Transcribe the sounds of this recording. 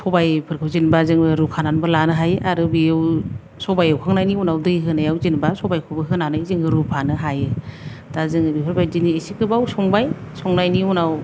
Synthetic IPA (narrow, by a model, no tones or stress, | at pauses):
sɔbajpʰɯɾkʰɯwzinbazɯŋɯɾukʰananbɯlanɯɦajɯʔaɾɯbijɯw | sɔbajawkʰaŋnajniunawdɯjɦɯnajawzinbasɔbajkʰubɯɦɯnanɯzɯŋɯɾupʰanɯɦajɯd̥azɯŋɯbipʰɾbajziniesikʰɯbawsɔŋbajsɔŋnajniunaw